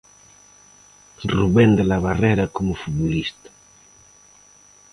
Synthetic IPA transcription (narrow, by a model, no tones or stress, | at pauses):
ruβend̪elaβareɾakomufut̪βulist̪ḁ